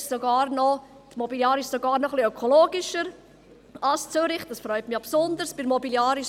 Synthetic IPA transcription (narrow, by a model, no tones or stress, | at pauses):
soɡɑːɾnɔ | t̪mɔbiljɑːɾɪʃsoɡɑːɾnɔχliœkʰoloːɡɪʃəɾ | ɑlst͡sʏɾɪχd̥ɑsfɾœʏtmɪɑpsʊnd̪əɾsb̥ɪɾmɔbiljɑːɾɪʃ